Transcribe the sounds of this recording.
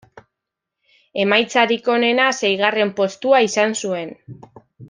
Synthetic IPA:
e̞majt͡saɾiko̞ne̞nase̞jɣ̞are̞mpo̞st̪uaisansue̞n

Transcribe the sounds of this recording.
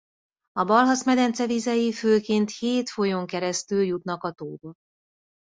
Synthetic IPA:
ɒbɒlɦɒsmɛd̪ɛnt̪sɛvizɛjiføːkeːnt̪heːt̪fo̞joŋkɛɾɛst̪yljut̪nɒkɒt̪oːd̪ot̪̚

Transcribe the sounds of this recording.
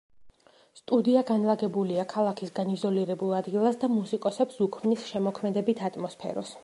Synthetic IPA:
st̪ʼud̪iaɡanlˠaɡɛbuliakʰalˠakʰisɡanizɔliɾɛbulˠad̪ɡilˠasd̪amusikʼɔsɛpsukʰmnisʃɛmɔkʰmɛd̪ɛbit̪ʰat̪ʼmɔspʰɛ̰ɾɔ̰s

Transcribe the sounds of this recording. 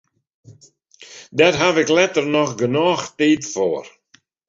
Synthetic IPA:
dɛtɦavɪklɛtərnɔxɡənɔːxtiːtfoər

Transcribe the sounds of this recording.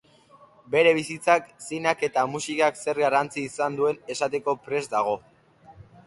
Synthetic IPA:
be̞ɾe̞β̞isit͡saksinake̞t̪amusikakse̞ɾɣarant͡siːsand̪ue̞ne̞sat̪e̞ko̞pɾe̞zd̪aɣ̞o̞

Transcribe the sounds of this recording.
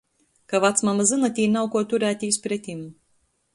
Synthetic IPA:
kavat̪smamazɨnat̪ʲiːnawkuɔt̪uɾæːt̪ʲiːspɾɛt̪ʲim

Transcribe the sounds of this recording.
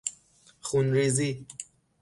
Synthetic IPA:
xunɾezi

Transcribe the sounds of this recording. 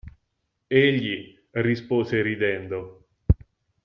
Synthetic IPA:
eʎːi | rispoːzeɾid̪ɛnd̪o

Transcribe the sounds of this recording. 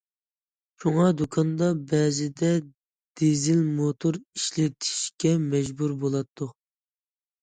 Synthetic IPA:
ʃuŋɑd̪okʰɑnd̪ɑbɛzɪd̪ɛ | d̪̥ezɪlmot̪ʰoɾiʃlɪt̪ʰi̥ʃkʲɛmɛd͡ʒbuɾbolˠɑt̪ʰːu

